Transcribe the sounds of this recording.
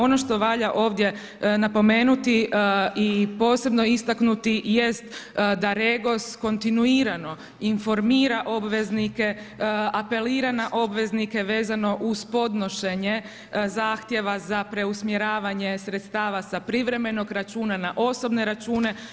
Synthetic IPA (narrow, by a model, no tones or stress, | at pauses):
o̞noʃt̪o̞ʋaʎaʔo̞ːʋd̪je̞ | napo̞me̞ːnut̪iipo̞ːse̞bno̞ist̪aknut̪ije̞st̪d̪aɾeɡo̞sko̞nt̪inuiːɾano̞ | info̞ɾmiːɾaʔo̞bʋe̞znike̞ | ape̞liːɾanaʔo̞bʋe̞znike̞ʋe̞ːzano̞ʔuz̥po̞d̪no̞ʃeɲe | zaːxt̪je̞ʋazapɾe̞usmjeɾaːʋaɲe̞sɾet̪st̪aːʋasapɾiʋɾe̞me̞no̞ɡɾat͡ʃuːnanaʔo̞so̞bne̞ɾat͡ʃuːne̞